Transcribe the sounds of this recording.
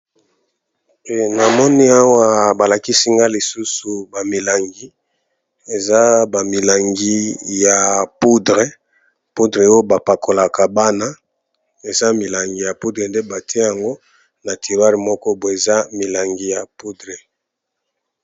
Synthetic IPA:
e˨na˨mɔ˦ni˦a˦wa˦ba˨la˨ki˦si˦ŋɡa˦li˨su˦su˨ba˨mi˨la˨ŋɡi˨˦ | e˨za˦ba˨mi˨la˨ŋɡi˦ja˨pu˦dʁe˦ | pu˦dʁe˨o˦jo˦ba˨pa˨ko˨la˨ka˨ba˦na˦ | e˨za˦mi˨la˨ŋɡi˨ja˨pu˦dʁe˨nde˦ba˨tʰi˦e˦ja˨ŋɡo˦ | na˨tʰi˨ʁa˦ʁi˨mɔ˦kɔ˦bo˨e˨za˦mi˨la˨ŋɡi˨ja˨pu˦dʁe˨

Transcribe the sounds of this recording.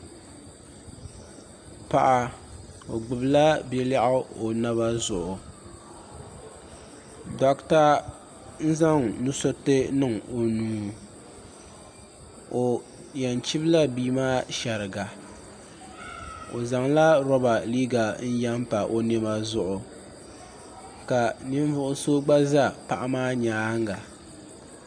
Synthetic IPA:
pa˨ʔa˨o˨ɡ͡bɨ˨bla˦bɛ˦la˦ʔʊ˦o˨na˦βa˦zʊ˨ʔʊ˨ | dɔ˨kta˦ | n̩˦za˦ŋnu˦so˦tɨ˦nɨ˦˨ŋo˨nuː˨ | o˨ | ja˨nt͡ʃɪ˦bla˦biː˦maː˦ʃɛ˨ɾɨ˨ɡa˨ | o̰˨za˨ŋla˦ɾɔ˦ba˨liː˦ɡa˨n̩˦ja˦m˦pa˨ʔo˨ne˦ma˦zʊ˦ʔʊ˨ | ka˨nɪ˦ɱ˦vʊ˦ʔʊ˦soː˦ɡ͡ba˦za˦˨pa˨ʔa˦maː˦ɲaː˨˦ŋɡa˨

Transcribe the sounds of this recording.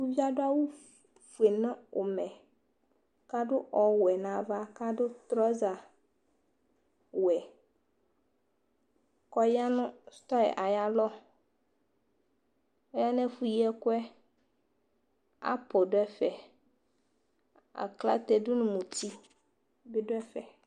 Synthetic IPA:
wu˦vi˦a˦ɖʊ˦a˦wu˦ | fu˨e˨nɛ̃˦o˨mɛ̃˨ | ka˦ɖʊ˦ʔɔ˨wɛ˨nã˨va˦ka˦ɖʊ˦t̪ɾɔ˦za˨ | wɛ˨ | kɔ˦ja˦nʊ̃˦st̪ɔ˦ɛ̰˨ʔa˨ja˦lɔ˦ | ɔ˦ja˦nɛ̃˦fu˦ji˦ɛ˦kʊ˦ɛ˦ | a̰˦pɔ˨ɖʊ˦ɛ˦fɛ˨ | a̰˨kla̰˦t̪ɛ˨dʊ˦nʊ̃˨mũ˨t̪i˦ | bi˦dʊ˦ɛ˦fɛ˨

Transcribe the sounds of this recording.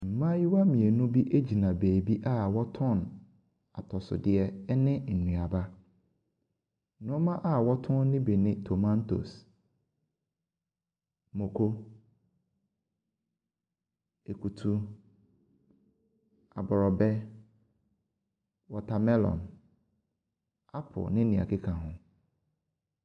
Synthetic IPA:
m̩˨mã˦ji˦wa˦mĩ˨e˨nũ˦bi˦ʔe˦d͡ʑi˨nã˨beː˨bi˦ʔa˦wɔ˦tʰɔ̃˦˨n | a˨tʰɔ˨sʊ̰˨dɪ˦ɛ˦ɛ˦nɪ̃˦n̩˨nũ˨a˨ba˦ | nʊ̃˦ɔ˦mã˦ʔa˦wɔ˦tʰʊ̃˦nː˦ɪ̃˦be˨nɪ̃˦tʰo˨mã˦ntʰo̰˨s | mõ˨kʰo˦ | e˨ku˨tʰu˦ | a̰˨bɔ˨ɾɔ˨bɛ˦ | wɔ˨tʰa˨mɛ˦lɔ̰̃˨n | a˦pʰʊ̰˨nɪ̃˦nĩ˨a̰˨kɪ˦kʰã˨ɦʊ̃˦

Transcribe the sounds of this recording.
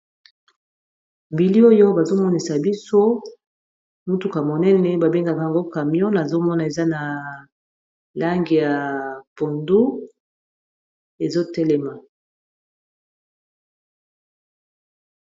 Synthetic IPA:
bi˨li˦o˦jo˦ba˨zo˦mɔ˦ni˨sa˨bi˦so˦ | mu˦tu˨ka˨mo˨nɛ˦nɛ˨ba˨be˦ŋɡa˨ka˨ja˨ŋɡo˦ka˨mjɔ̃˦na˨zo˦mɔ˦na˨e˨za˦na˨ | la˦ŋɡi˨ja˨pɔ˨ndu˦ | e˨zo˦tɛ˦lɛ˦ma˨

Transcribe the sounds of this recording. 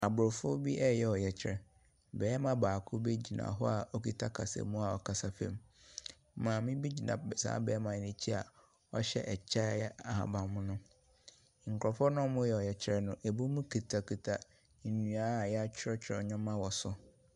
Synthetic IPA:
a˨bʊ˨ɾɔ˨fʊ˦bi˦ʔɛ˦jɛ˨ɔ˨jɛ˨t͡ɕʰɪ˨ɾɛ˨ | bɛː˨˦mã˦baː˨kʰʊ˦be˦d͡ʑi˨nã̰˨ɦɔ˦a˨ɔ˦kʰi˦tʰa˦kʰa̰˨sɛ̰˨mũ˦a˨ɔ˨kʰa˨sa˨fɛ̰̃˦˨m˦ | mãː˨mĩ˦bi˦d͡ʑi˨nã̰˨sa̰ː˦bɛː˨ɛ˦mã˨ɛ˨nɪ̃˨t͡ɕʰi˦a˨ | ɔ˦ɕɛ̰˦ʔɛ˨t͡ɕʰa˦ɛ˦a˨ha̰˨bã˨mʊ̃˦nʊ̃˦ | ŋ̩˨kʰɔ˨fɔ˦nʊ̃˦mʊ̃˦jɛ˦˨ɔ˨jɛ˨t͡ɕʰɾɛ˨nʊ̃˨ʔe˨bu˦mũ˦kʰi˨tʰa˨kʰu˨tʰa˨ | n̩˨nũ˨a˦˨jɛ˦a˦t͡ɕᶣʰɪ˦ɾɔ˦t͡ɕʰɾɔ˨ɲɔ̃˦mã˦wɔ˨sʊ˨

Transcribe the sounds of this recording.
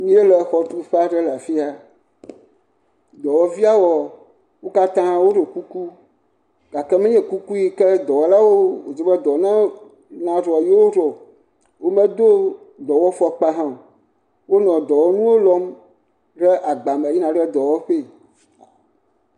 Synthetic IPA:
mĩ˦e˦lɛ˨xɔ˨t̪u˦ɸe˦a˦ɖɛ˦la˨fi˦a˨ | d̪ɔ˨wɔ˦vi˦a˦wɔ˨ | wo˦ka˦t̪ã˦wo˦ɖe˨ku˦ku˦ | ɡ̥a˨kɛ˦mɛ̃˦ɲɛ̃˨ku˦ku˦ji˦kɛ˦d̪ɔ˨wɔ˨˦la˦wo˦o˨d͡ze˨bɛ˦d̪ɔ˨nã˦ | nã˨ɖɔ˨jɛ˦wo˦ɖɔ˨ | wo˦mɛ̃˦d̪o˦ | d̪ɔ˨wɔ˦fɔ˦k͡pa˦ɦã˦˨ | wo˦nɔ̃˨d̪ɔ˨wɔ˦nũ˦wo˦lɔ˦m | ɖɛ˦ʔa˨ɡ͡ba˨mɛ̃˨ji˦nã˨ɖɛ˦d̪ɔ˨wɔ˦ɸe˦˨

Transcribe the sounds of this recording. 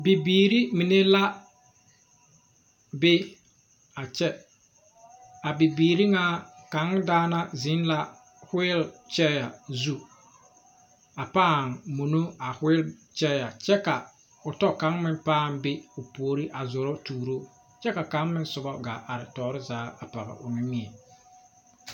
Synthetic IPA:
bi˨biː˨ɾi˦mɪ˨ne˦la˦ | bɪ˦ | a˨t͡ʃɛ˦ | a˨bi˨biː˨ɾi˦ŋa˦ka˨˦ŋ˦daː˦na˦zɪ˨˦n˦la˦ | hʊ˦ɪ˦lt͡ʃɛ˦ja˨zu˦ | a˨paː˦˨ŋmo˨no˦a˨hɪ˦ɪ˦lt͡ʃɛ˦ja˨t͡ʃɛ˦ka˨ | ʊ˨tɔ˦ka˨˦ŋmɪ˦n˦paː˦˨mbɪ˦ʊ˨poː˨˦ɾi˦ʔa˨zʊ˨ɾɔ˦tuː˨ɾo˦ | t͡ʃɛ˦ka˨ka˨˦ŋmɪ˦n˦sʊ˨bɔ˦ɡa˨ʔa˨ɾɪ˨tɔː˨ɾɪ˦zaː˨˦a˨pa˨ɣɪ̰˨ʔʊ̰˨nɪ˦mi˦ɛ˨

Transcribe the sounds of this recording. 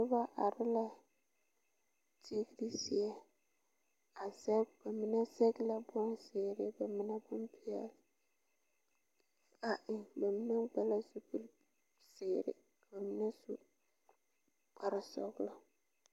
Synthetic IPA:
nɪ˦ba˦ʔa˨ɾɪ˦la˨ | tʰi˦ɡi˦ɾi˦sɪ˨ɛ˦ | a˨sɛ˦ba˨mɪ˦na˦sɛ˦ɡɪ˦la˨bɔ˦n˦sɪː˨ɾɪ˦ba˨mɪ˦na˦bʊ˦mpi˦ɛ̰˦lɪ˨ | a˨ʔɪ˨ba˨mɪ˦na˦ɡ͡ba˨la˦su˨bu˦l | sɪː˨ɾɪ̰˨ | ba˨mɪ˦na˦su˦ | k͡pa˨ɾɪ˨sɔ̰˦ɡla˨

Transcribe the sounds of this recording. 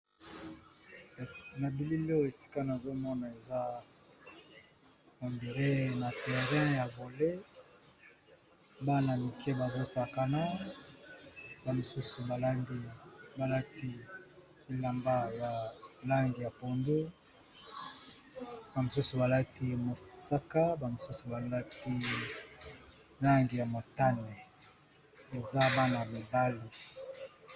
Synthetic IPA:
na˨bi˨li˦lo˦˨e˨si̥˦ka˦na˨zo˦mɔ˦na˨e˨za˦ | ko˨mbi˨le˦na˨tɛ˨ʁɛ̃˦ja˨bo˨le˦ | ba˦na˨mi˨kʰe˦ba˨zo˦sa˨ka˨na˦ | ba˨mo˨su˦su˨ba˨la˦ndi˦ba˨la˦tʰi˦ | i˨la˨mba˦ja˨la˦ŋɡi˨ja˨po˨ndo˦ | ba˨mo˨su˦su˨ba˨la˦ti˦mo˨sa˦ka˦ba˨mo˨su˦su˨ba˨la˦ti˦ | la˦ŋɡi˨ja˨mo˨ta˦nɛ˨ | e˨za˦ba˦na˨mi˨ba˦li˨

